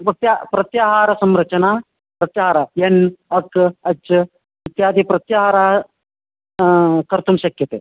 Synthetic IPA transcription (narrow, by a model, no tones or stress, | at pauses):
pɐk̚t̪japɾɐt̪jaːɦaːɾɐsɐmɾɐt͡ʃɐnaː | pɾɐt̪jaːɦaɾaːjɐnɐkɐt͡ʃ | ʋit̪jaːd̪ʱipɾɐt̪jaːɦaːɾaː | kɐɾt̪umʃɐkjɐt̪ḛː